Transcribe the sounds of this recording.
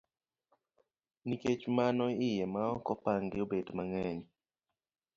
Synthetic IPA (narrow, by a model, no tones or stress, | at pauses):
niket͡ʃmanɔɪjɛmaɔkɔpaŋɡɪobedmaŋɛɲ